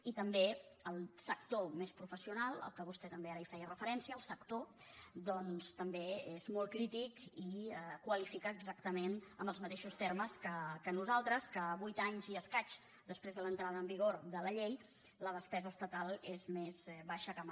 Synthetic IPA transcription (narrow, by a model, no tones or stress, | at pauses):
it̪əmbeəlˠsək̚t̪omespɾufəsiunalˠə̰lˠkəβust̪ɛt̪əmbeaɾəifɛjərəfəɾɛnsiəːlˠsəkt̪od̪ɔnst̪əmbeezmɔlˠkɾit̪ikiəkwəlifikəːɡzakt̪əmenəmbəlˠzmət̪eʃust̪erməskəkənuzalˠt̪ɾəskəβujt̪aɲziəskat͡ʃ | d̪əspɾezðələnt̪ɾað̞əːmbiɣ̞oɾðələʎej | ləð̞əspɛzəːst̪ət̪alˠezmezβaʃəkəm